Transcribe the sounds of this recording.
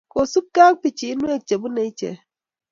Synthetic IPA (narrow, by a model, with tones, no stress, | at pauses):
ko˨su˦p̚ka˦k̚pi˨t͡ʃi˨˦nu˦e˦˨t͡ʃe˨bu˦ne˨i˦t͡ʃḛ˨